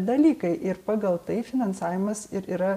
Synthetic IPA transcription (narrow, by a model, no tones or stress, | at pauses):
d̪ɐlʲiːkɐɪʔɪɾpɑːɡɐlˠt̪ɐɪfʲɪnɐnsɑːʋʲɪmɐsɪɾiːɾɐ